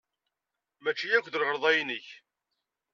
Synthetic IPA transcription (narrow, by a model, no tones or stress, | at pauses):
mæt͡ʃːijækʷðəɾʁəɾˤðˤɑjnəç